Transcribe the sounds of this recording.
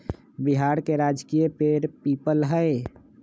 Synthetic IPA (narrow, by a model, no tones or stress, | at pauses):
biɦaːɾkeɾaːd͡ʒkiepeɾpiːpəlɦəe